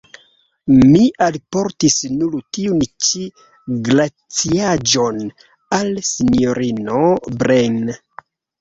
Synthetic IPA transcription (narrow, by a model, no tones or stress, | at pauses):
miʔalpo̞ɾtisnuɾtiunt͡ʃi | ɡla | t͡siad͡ʒo̞n | alsinoɾino̞bɾen